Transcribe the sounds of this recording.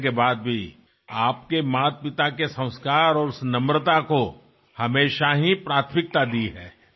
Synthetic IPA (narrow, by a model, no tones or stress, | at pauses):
kebaːd̪̚bʱi | aːp̚kemaːt̪̚pɪt̪akesɐ̃w̃skaːɾɔːɾʊsnɐmɾət̪ako | hɐmeːʃaɦipɾaːt̪ʰmɪk̚t̪ad̪iɦɛ̰ː